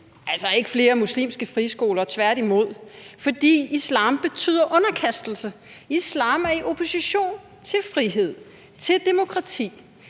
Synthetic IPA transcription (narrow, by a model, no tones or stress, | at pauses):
ʔælsɒe̝ɡ̥əfle̝ːɐmuslḭːmsɡ̥əfʁisɡ̥o̝ːlɐt͡sʰʋæɐɾimo̝ð̞̰ˠfɒ̽d̥ḭːislɑ̰̈ːmb̥e̝t͡sʰy̰ð̰ˠɐʔɔ̽nɐkʰæsd̥l̩sə | islɑ̰̈ːmæɐiʔo̝pʰo̝siɕo̝̰ːn | t͡sʰe̝lfʁiɦe̝ð̞̰ˠ | t͡sʰe̝ld̥e̝mo̝kʰʁɑ̈t͡sʰḭː